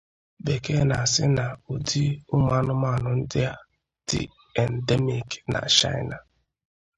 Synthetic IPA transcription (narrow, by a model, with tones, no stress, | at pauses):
be˨ke˦na̰˨sɪ̰˦na˨u˨di˦ʊ˦ma˦nʊ˦ma˦˨nʊ˨n̩˦dɪ˦a˦ | d̥ɪ̰˨ | ɛ˨nde˦mi˨kna̰˨t͡ʃa̰˦ɪ˦na˨